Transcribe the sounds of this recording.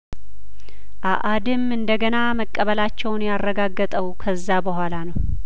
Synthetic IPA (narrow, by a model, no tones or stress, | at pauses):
ʔaʔad̪ɨmɨnd̪əɡənaməkʼːəβəlat͡ʃːɛwnjarːəɡaɡːət̪ʼəwkʰəzːabəɦʷalanəw